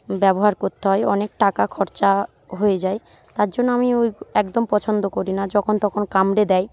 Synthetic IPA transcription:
bɛboɦaɾkoɾt̪ːeɦɔeɔnek̚ʈakakʰɔɾt͡ɕa | ɦojed͡ʑae | t̪aɾd͡ʑonːoamiojɛkd̪ompɔt͡ɕʰond̪okoɾinad͡ʑɔkʰont̪ɔkʰonkamɾed̪ɛj

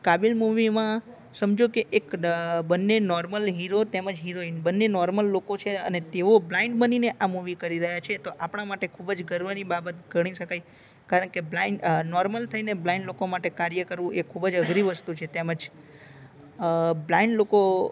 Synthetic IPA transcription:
kabilmuʋimã | səmd͡ʒokeʔːkbənːenɔɾməlɦiɾot̪eməd͡ʒɦiɾoinbənːenɔɾməlːokot͡ʃʰeənet̪eʋoblaɪ̃ɳɖbənineʔamuʋikəɾiɾəɦjat͡ʃʰet̪oʔapɳ̃amaʈekʰubd͡ʒɡəɾʋənibabət̪̚ɡʱəɽ̃iʃəkaj | kaɾəɳkeblaiɳɖnɔɾməlt̪ʰəineblaiɳɖlokomaʈekaɾjəkəɾʋũʔekʰubəd͡ʒəɡɾiʋəst̪ut͡ʃʰet̪eməd͡ʒ | blaiɳɖloko

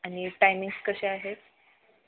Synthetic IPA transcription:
aɽ̃iʈajmĩŋɡskəɕeaɦet̪

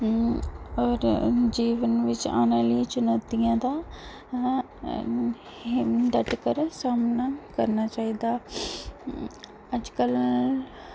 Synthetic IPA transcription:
ɔːɾd͡ʒiːʋənʋɪt͡ʃa̰ːnãːlit͡ʃʊnaːt̪ijãːd̪aː | d̪əʈkəɾsaːmnaːkəɾnaːt͡ʃaːiːd̪aː | əd͡ʒkəl

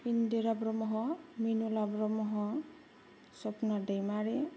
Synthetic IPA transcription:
indeɾabɾɔmɔɦɔminulabɾɔmɔɦɔ | sɔpnadejmaɹe

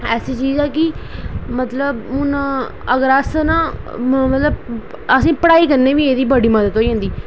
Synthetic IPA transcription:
ɛːsiːt͡ʃiːzɛːkɪmət̪ləbnː | əɡəɾaːsənãː | mət̪ləb | əsĩːpəɽaːiːkəɾneːʋiːeːd̪iːbəɽiːməd̪ət̪ɦoːiːɦõːnd̪iː

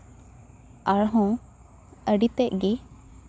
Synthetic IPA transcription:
aɭɦɔ̃ | əɖit̪ɛʔɡi

